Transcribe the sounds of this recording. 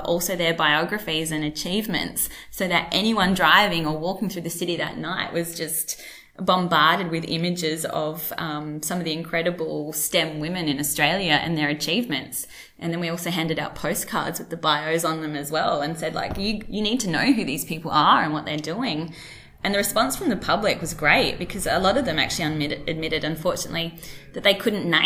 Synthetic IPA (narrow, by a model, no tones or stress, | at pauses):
ʔɔ̰lˠsoʊðə˞baɪɑɡɹɨfizɨ̃nɨt͡ʃʰivmɨ̰̃ntsː | oʊðɨɾʔɛñiwʌ̃ndɹaɪvɪ̃ŋə˞wɔkɪ̃ŋθɹʉðɨsɪɾiðɨ̰ʔⁿnaɪʔwʔʌzd͡ʒʌst | bɑ̃mbɑɹɾɨd̚wɨðɪ̰̃mɨd͡ʒɪzʌ̰v̥ʌ̃msʌ̃mʌvðiɨ̃nkʰɹ̥ɛɾɨbl̩ˠstɛ̃mwɪ̃mɨ̃nɨ̃nɨstɹ̥eɪlˠjɨʔɨ̰̃nðə˞ɨt͡ʃʰivmɨ̰̃nts | ʔɨ̃nðɨ̃nwiɔlˠsoʊɦæ̃ndɨɾaʊt̚pʰoʊskʰɑ̰ɹdzwɨðɨbaɪoʊzn̩ðɨ̃mɨzwɛlˠə̃nsɛdˡla̰ɪkjɨjɨnid̚tʰɨnoʊɦʉðiz̥pʰipl̩ˠə˞ɨ̰̃nwʌt̪̚ðə˞dʉɪ̃ŋ | ʔɨ̃nðɨɹɨspɑ̃nsfɹʌ̃mðɨpʰʌblɨkwʌzɡɹeɪt̚b̥ɨkʰʌzəlɔɾʌvðɨ̃mæ̰k̚t͡ʃʉl̩ˠiɨ̃nmɪɨd̚mɪɾɨɾɨ̃ɱfɔɹt͡ʃɨnə̰ʔˡliðɨt̪̚ðeɪkʰʊdⁿn̩na